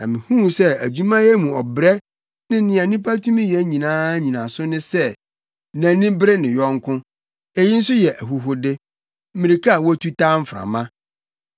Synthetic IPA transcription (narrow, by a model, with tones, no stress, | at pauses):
nã̰˨mɪ̃˨hũ˦sɛ˦æ˨d͡ʑu˦mã˦jɛ˦mũ˨ɔ˨bɾɛ˦ | nɪ̃˦nɪ̃˦a˨nĩ˦pʰa˦tʰũ˦mĩ˦jɛ˨˦ɲĩ˨nãː˦ɲĩ˨nã˨sʊ˦nɪ̃˦sɛ˦ | næ̃˨nɪ̃˦bɾɛ˦nɪ̃˨jɔ˦ŋkʰʊ̃˦ | ɛ˦ji˦n̩˦sʊ˦jɛ˨ʔæ˨ɦu˨ɦʊ˨dɪ˦ | m̩˦mĩ˨ɾi˨kʰa˦a˨wɔ˦æ˦tʰu˦tʰã˦m̩˦fɾã̰˨mã˦